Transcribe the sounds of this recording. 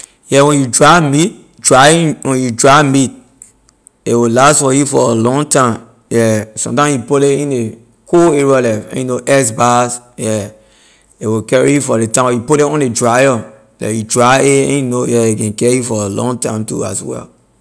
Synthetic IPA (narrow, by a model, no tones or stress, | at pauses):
jɛwɛ̃njudɹamit̚ | dɹaiwɛ̃judɹamit̚ | ewilastfɔjufɔ̰əlɔ̃ŋtãm | jɛsɔ̰̃mtãmjupoleĩne | kʰoeɹiɔlɛfɛ̰̃njunoʔɛsbasjɛ | ewikɛɹijufɔɾetãɔjupoleɔ̃nedɹajɔ | lɛ̰judɹaeɛ̃junojɛekɛ̃nkɛjufɔəlɔ̰̃ŋtãɪ̃mtṵa̰swɛ̰l